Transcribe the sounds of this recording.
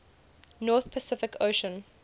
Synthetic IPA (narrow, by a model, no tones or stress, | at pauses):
nɔːˑθpʰəsɪfɪkʰoʊʃə̃n